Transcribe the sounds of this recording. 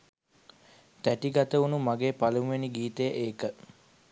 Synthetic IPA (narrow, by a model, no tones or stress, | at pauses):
t̪æʈiɡɐt̪əunumaɡeːpalumʋeniɡiːt̪əjəʔeːkə